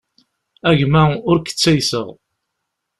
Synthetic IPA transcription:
æʝmæʊɾkə̥t͡sːæjsəʁ

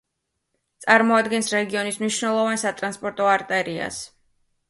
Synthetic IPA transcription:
t̪sʼaɾmɔad̪ɡɛnsɾɛɡiɔnismniʃnɛlˠɔvansat̪ʼɾanspʼɔɾt̪ʼɔaɾt̪ʼɛɾia̰s

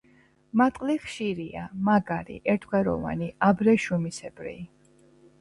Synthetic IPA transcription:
mat̪ʼqʼliχʃiɾiamaɡaɾḭʔɛɾt̪ʰkʰɛɾɔ̰va̰niabɾɛʃumisɛb̥ɾḭː

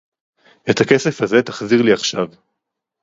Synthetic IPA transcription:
e̞t̪ake̞sefaze̞t̪aχziʁliaχʃav

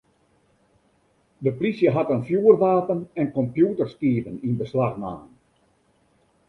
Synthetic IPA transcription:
dəplisjəɦatənfjuːərʋaːpənɛnkɔmpjuːtərskiːvəninbəslaxma̰ːn

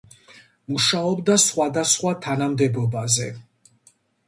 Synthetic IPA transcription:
muʃaɔbd̪asχwad̪asχwat̪ʰanamd̪ɛbɔbazɛ

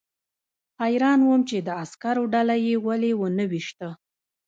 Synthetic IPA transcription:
hajɾɑnwəmt͡ʃed̪əaskaɾoɖalajewalewənəwiʃt̪ə

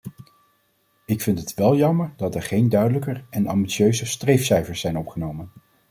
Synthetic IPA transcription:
ɪkfɪntɦətʋɛlˠjɑməɹdɑtɛɹχejndœɥdələkəɹɛnɑ̰mbiʃøɥzəstrejfsɛjfəɹsɛjnɔpχənowmən

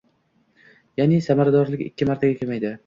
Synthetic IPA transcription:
janɪsamaɾad̪ɒɾlɪkʲɪ̰kʲːɪmaɾt̪ʰaɡʲakʰʲemajd̪ɪ

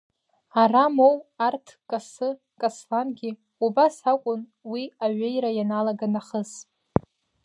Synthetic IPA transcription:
aramowartʰkʼasɨ | kʼaslanɡʲi | ubasakʷʼʊnwiaɥejɾajanalaɡanaχəsʼ

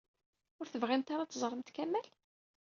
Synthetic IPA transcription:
ʊɾθəvʁint̪aɾat͡s̪ːzˤəɾˤːəmt̪kæmːæl

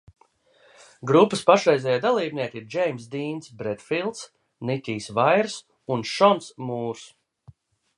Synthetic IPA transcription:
ɡɾupːɨspaʃɾɛjzʲɛjaːd̪alˠiːbniɛkiɾd͡ʒɛjms̬d̪iːnsbɾet̪filˠt̪s | nit̪ʲiːsvajɾs | unʃɔnsmuːɾs

